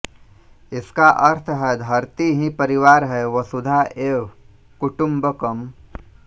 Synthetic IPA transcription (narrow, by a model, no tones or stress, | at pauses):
ɪskaʔɐɾt̪ʰɦɛd̪ʱɐɾt̪iɦĩpəɾɪʋaːɾɦɛʋəsʊd̪ʱaʔeːw | kʊʈʊ̃mbəkɐm